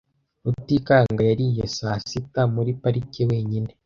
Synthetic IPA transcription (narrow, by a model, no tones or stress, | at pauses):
outikaŋɡajaɾijesasitamuɾipaɾicewe̞ːɲine